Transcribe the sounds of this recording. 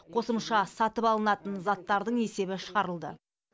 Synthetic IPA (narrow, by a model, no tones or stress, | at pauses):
qʰo̞səmʃɑsɑt̪əpɑlˠənɑt̪ənzɑt̪ːɑɾd̪əɴe̞se̞bɪʃəʁɑɾəlˠd̪ə̰